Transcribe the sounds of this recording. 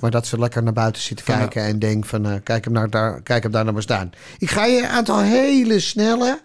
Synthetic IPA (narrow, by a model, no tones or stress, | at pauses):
maɹdɔtsəlɛkərnaːbœɥtəsɪtə̥kɛjkəɛndɛŋkfɔnkɛjkəpnadakɛjkəp̚darnabəstaːn | ɪkχaːjəaːntɔlˠɦejləsnɛlə